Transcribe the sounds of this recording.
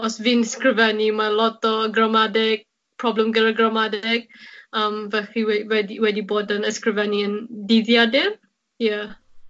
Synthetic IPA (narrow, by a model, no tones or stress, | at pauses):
ɔsvɪːnəskrɪvɛnimalˠɔtɔɡrəmadɪɡ̥̚ | pʰrɔblɛmɡəɾaɡrəmadɪɡ̥əːmvɛɬiwɛwɛdiwɛdiboːdənəskrɪvɛniəndeðjadɪr | ja